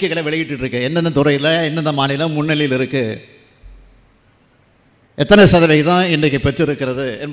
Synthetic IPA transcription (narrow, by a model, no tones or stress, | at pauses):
kːɐɪɣɐɭɐʋɛɭɪɣɪʈːɯʈɾɯkːɯɛnd̪ɐnd̪ɐt̪ʊɾɐɪlɐɛnd̪ɐnd̪ɐmaːnɪlãːmʊnːɪlɐjɪlɪɾɯkːɯ | ʔɛt̪ːɐnɛsɐðɐʋɐɪt̪ãːɛndrɐkːɯpɛʈrɯɪɾɯkːɯɾɐðɯɛnb